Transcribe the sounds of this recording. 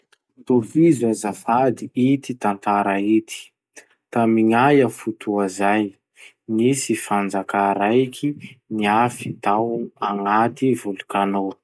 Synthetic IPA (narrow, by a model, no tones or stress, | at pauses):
t̪ofizazafad̪iit̪it̪ant̪aɾait̪i̥ | t̪amiŋajafut̪ʰuazaj | nisifand͡zakaɾajkʰiniafit̪awaŋat̪ivulukano